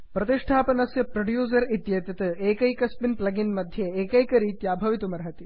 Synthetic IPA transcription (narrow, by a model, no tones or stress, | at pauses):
pɾɐt̪iʂʈʰaːpɐnɐsjɐpɾɐɖjuːz̬ɐɾit̪jɐt̪ɐt̪ɐeːkɐjkɐsmɪnplɐɡɪnmɐd̪ʱjeeːkɐjkɐɾit̪jaːbʱɐʋit̪umɐɾɦɐt̪i